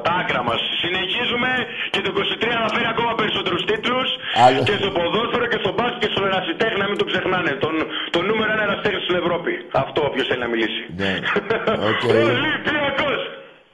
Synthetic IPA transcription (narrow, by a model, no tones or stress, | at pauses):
t̪ɐɐkɾɐmɐsːine̞çizume̞cet̪uiko̞sit̪ɾiɐθɐfeniɐko̞mɐpe̞ɾiso̞t̪e̞ɾust̪it̪lusce̞st̪o̞po̞ðo̞sfeɾo̞ce̞st̪o̞bɐsice̞st̪oeɾɐsit̪e̞xniɐmint̪okse̞xnɐne̞t̪ont̪o̞nume̞ɾoenɐenɐsi̥t̪exnist̪ine̞vɾo̞piɐft̪oːpço̞sθelinɐmilisin | oelipiɐkos